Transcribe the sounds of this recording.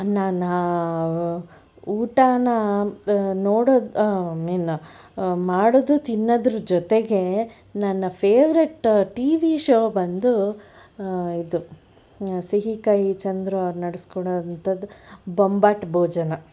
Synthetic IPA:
naːnaː | uːʈaːnɐ | noːɽod̪meːnɐ | maːɽod̪ut̪inːɐd̪ɾud͡ʒɔt̪eɡe̞ | nɐnːɐpʰeːʋɾeʈʈiːʋiʃoːbɐnd̪u | id̪u | siɦikɐjit͡ʃɐnd̪ɾuɐʋɾunɐɽeskɔɽoːd̪ɐnt̪ɐd̪ːubombaːʈbʱoːd͡ʒɐnɐ

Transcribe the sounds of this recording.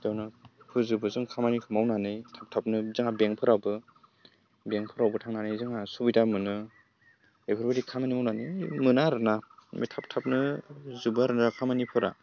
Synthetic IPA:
dawnɯkʰɯzɯbɯzɯŋkʰamanikʰɯmawnanɯjtʰap̚tʰap̚nɯzɯŋabeŋpʰɯɾawbɯ | beŋpʰɯɾawbɯtʰaŋnanɯjzɯŋasubidamɯnɯ | epʰɯɾbaɾikʰamanimawnanɯmɯnaɾɯnamḛjtʰap̚tʰap̚nɯzɯbɯaɾɯnakʰamanipʰɯɾa̰

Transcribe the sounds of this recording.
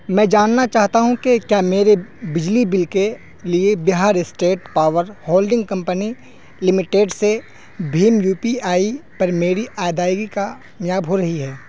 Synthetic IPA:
mɛ̃ːd͡ʒaːnːat͡ʃaːɦt̪aɦũkekjaːmeːɾebɪd͡ʒlibɪlke | liebɪɦaːɾɪsʈeːʈ̚paːʋəɾhoːlɖɪ̃ŋɡ̚kɐ̃mpəni | lɪmɪʈeːɖse | bʱiːmjuːpiaːipɐɾmeːɾiʔaːjɪd̪aːɪɡika | njaːbɦoɾɐɦiɦɛː

